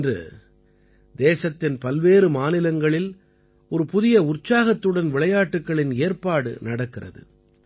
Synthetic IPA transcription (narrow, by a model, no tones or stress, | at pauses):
drɯ̰ | d̪eːsɐt̪ːɪnpɐlʋeːɾɯmaːnɪlɐŋɡɐɭɪl | ɔɾɯpʊðɪjɐʊrt͡ʃːaːɣɐt̪ːɯɽɐnʋɪɭɐjaːʈːɯkːɐɭɪneːrpaːɽɯ̰nɐɽɐkːɪrɐ̰ðɯ̰